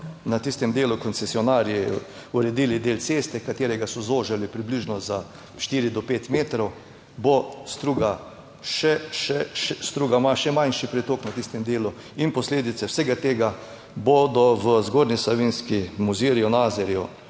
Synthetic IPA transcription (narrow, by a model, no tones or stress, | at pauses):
nat̪ist̪ɛmd̪eːlukɔnsɛsiɔnaːɾji | uɾɛd̪iːlid̪eːlt̪seːst̪ɛkat̪eːɾɛɡasɔzoːʒalipɾibliʒnɔza | ʃt̪iːɾid̪ɔpeːt̪meːt̪ɾɔw | bost̪ɾuːɡa | ʃɛʃɛʃɛst̪ɾuːɡamaʃɛmajnʃipɾit̪oːknat̪ist̪ɛmd̪eːlu | inpɔsleːd̪it̪sɛwsɛɡat̪eːɡa | bod̪ɔʋəzɡoːɾnisaʋinskimuziːɾiɔnaːzɛɾjɔ